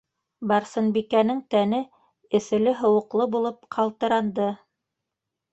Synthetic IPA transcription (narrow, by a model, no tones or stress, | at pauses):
bɑɾsɤ̆nbikænɘŋt̪ænɘ | ɘ̆θɘ̆lɘɦɤ̆wɤ̆qlˠɤbulˠɤp̚qʰɑlˠt̪ɤ̆ɾɑnd̪ɤ